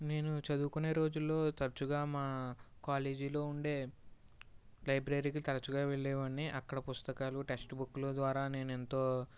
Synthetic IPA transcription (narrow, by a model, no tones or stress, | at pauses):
ne̞ːnut͡ʃɐd̪uːkune̞ːɾo̞ːd͡ʒulːo̞ːt̪ɐɾɐt͡ʃuɡaːmaːkaːleːd͡ʒilo̞ːuɳɖe̞ː | lɐjbɾɐɾiːkit̪ɐɾɐt͡ʃuɡaːʋeɭːɛːʋɐniʔɐkːɐɽɐpust̪ɐkaːluʈesʈbukːlud̪ʋaːɾaːne̞ːnent̪o̞ː